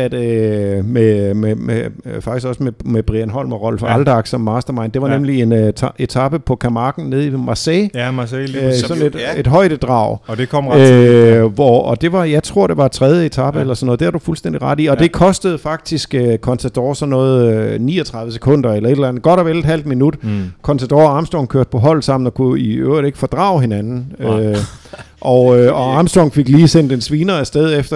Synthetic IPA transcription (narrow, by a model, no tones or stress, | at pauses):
æd̥ | mememefɑɡ̥isɡ̥ɒ̽smemeb̥ʁienɦɒ̽l̰mɒʁɒ̽l̰fɒæld̥ɑ̈ɡ̥sɒmːɑ̈ːsd̥ɐmɑ̈ɪnd̥e̝ʋɑ̈nemlie̝nʰe̝t͡sʰɑ̈b̥əpʰɒ̽kʰæmɑ̈ːɡ̥n̩ne̝ð̞ˠimɑ̈sɛɪ | sɒ̽ne̝d̥e̝d̥ɦɒ̽ɪ̰d̥əd̥ʁɑ̰̈ʊ̰d̥ekʰɒm | ʋɒɒ̽d̥e̝ʋɑ̈jɑ̈ɪt͡sʰʁo̝ɐ̰ɾ̥e̝ʋɑ̥̈t͡sʰʁɛð̞ˠjəe̝t͡sʰɑ̈b̥əelɐsɒnːɔðˠd̥eæɐdufulsd̥en̰d̥iʁɑ̈ɾ̥iɒ̽d̥e̝kʰɒ̽sd̥əð̞̩ˠfɑ̈ɡ̥̚d̥isɡ̥økʰɒ̽nt͡sʰæd̥ɒ̰ːsɒ̽nːɔ̽ːð̩ˠnḭːɒt͡sʰʁɑðˠʋəse̥kʰɔ̽n̰d̥ɐelɐe̝d̥elænð̩ˠɡ̥ɒ̽ɾ̥ɒʋeled̥hæl̰d̥̚minud̥kʰɒ̽nt͡sʰæd̥ɒːɒɑ̈ːmsd̥ɒʊŋkʰøɐ̰d̥̚pʰɒ̽ɦɒ̽l̰̥sɑ̈m̰n̩ɒkʰuiø̰ʊ̰ʁiɾ̥e̝ɡ̥əfɒ̽d̥ʁɑ̰̈ːʊɦe̝nænn̩ø | ʔɒøɒɑ̈ːmsd̥ɒŋfe̝ɡ̥liːsen̰d̥ensʋiːnɐæsd̥eðˠefd̥ɐ